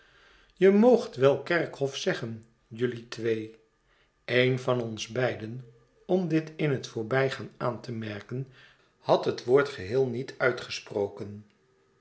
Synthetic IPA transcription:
jəmowχtʋɛlˠkɛɹkhɔfsɛχən | jɵlitʋej | ejnvɑnɔnzbɛjdən | ɔmdɪtɪnɦətfʊːɹbɛjχaːnaːntəmɛɹkən | hɑtɦətʋoːɹtχəɦɪːlˠnitʰœɥtχəsprowkən

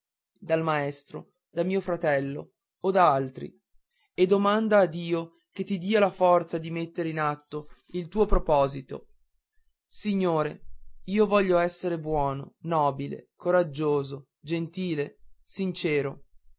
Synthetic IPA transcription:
d̪almaɛst̪ɾo̰ | d̪amiːofɾat̪ɛlːoː | d̪aalt̪ɾḭ | ed̪omand̪aːd̪iːo | ket̪ːid̪iːalafɔrt̪sad̪imet̪ːeɾeinat̪ːo | ilt̪uːopɾopɔːzit̪o̰ | siɲːoːɾeiːovɔʎːoɛsːeɾebwɔːno̰nɔːbilḛkoɾad͡ʒːoːzo | d͡ʒent̪iːlesint͡ʃeːɾo

